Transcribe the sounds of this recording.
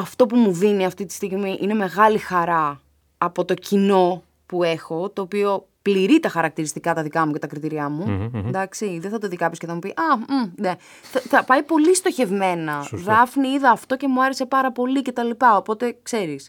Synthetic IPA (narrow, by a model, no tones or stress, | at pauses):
ɐft̪o̞pumuðiniɐft̪it̪i̥st̪iɣmiʔine̞me̞ɣɐlixɐɾɐː | po̞t̪o̞cino̞ | pue̞xo̞t̪o̞ːpio̞ | pliɾit̪ɐxɐɾɐk̚t̪iɾist̪ikɐt̪ɐðikɐmuce̞t̪ɐkɾit̪iɾiɐmund̪ɐksiðeθɐt̪oðikɐpiskceθɐmupiʔɐne̞ | θɐθɐpɐipo̞list̪o̞çe̞vme̞nɐðɐfniiðɐːft̪o̞ce̞muɐɾe̞se̞pɐɾɐpo̞lice̞t̪ɐlipɐo̞po̞t̪e̞kse̞ɾis